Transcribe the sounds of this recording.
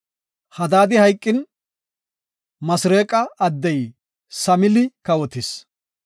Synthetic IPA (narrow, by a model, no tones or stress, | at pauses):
hɐd̪aːd̪ɪhɐjkʼːɪn | mɐsɾeːkʼːɐːd̪ːɛj | sɐmɪlɪkɐwɔt̪ɪs